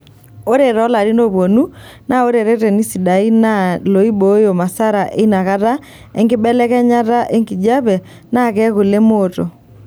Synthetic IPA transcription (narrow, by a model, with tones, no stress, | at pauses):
o˦ɾe˨ɾɔ˨˦la˨ɾi˦no˦βɔ˨nu˦na˦o˦ɾe˨ɾe˦tɛ˨ni˦si˨da˨i˦na˦lo˨i˦bo˨˦jo˨ma˨sa˦ɾa˨ʔe˦na˨ɣa˦ða˦ | ɛ˦ŋɡe˦bɛ˦lɛ˦ɣɛ˦ɲa˦ɾa˦ʔe˦ŋɡi˨d͡ʒa˦βɛ˨ | na˦˨kɛ˦ɣo˨le˦mo˨to˨